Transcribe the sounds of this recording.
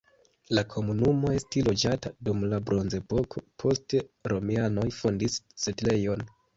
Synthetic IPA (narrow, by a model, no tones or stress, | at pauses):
lakʰo̞munumo̞e̞stilo̞d͡ʒatadumlabɾo̞nze̞po̞kʰo̞pʰo̞steɾo̞miano̞jfondisːetle̞jo̞n